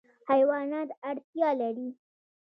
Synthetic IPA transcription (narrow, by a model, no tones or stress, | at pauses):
hajwɑnɑt̪aɽt̪jɑlaɾi